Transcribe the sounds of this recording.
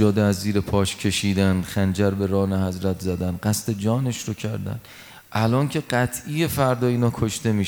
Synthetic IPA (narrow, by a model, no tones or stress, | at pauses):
ɒːd̪eæzːiːɾe̞pʰɒːʃcʰe̞ʃiːd̪ænxænd͡ʒæɾbe̞ɾɒːnehæzɾæt̪ʰzæd̪ænɢæst̪e̞d͡ʒɒːne̞ʃɾocʰæɾd̪æ̰n | ʔælɒːncʰe̞ɢæt̪ʰije̞fæɾd̪ɒːiːnɒːkʰoʃt̪e̞miː